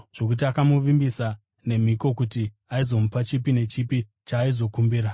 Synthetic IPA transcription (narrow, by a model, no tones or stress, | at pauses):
ʐ̥o̞kut̬iakamuʋimbisa | ne̞m̤iko̞kuti | aizo̞mupat͡ʃipine̞t͡ʃipi | t͡ʃaːizo̞kumbiːɾa